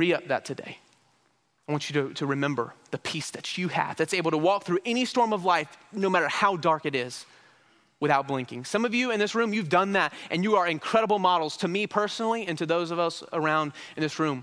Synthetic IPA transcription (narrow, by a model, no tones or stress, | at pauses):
ɹiʌp̚ðɨ̰tʰɨdḛɪ | aɪwɑ̃nt͡ʃɨɾɨɾɨɹɨmɛ̃mbə̰˞ðɨpʰisðɨt͡ʃɨɨ̰v̥ðɨtseɪbl̩ˠtʰəwɔk̚θɹʉʔɛñistɔɹmʌvlaɪfnoʊmæɾə˞haʊdɑɹkɨɾɪz̥ | wɨθaʊt̚b̥lɪ̃ŋkɪ̃ŋsʌ̃mʌvjɨɨ̃nðɪsɹʉ̃mjʉvdʌ̃nðæɾʔɨ̃njɨə˞ɨ̃nkʰɹ̥ɛɾəbl̩ˠmɑɾl̩ˠz̥tʰɨmipʰɜ˞snl̩ˠiɨ̃ntʰɨðoʊzʌvʌsə˞ãʊ̃nd | ɨ̃n̩ðɪsɹʉ̃m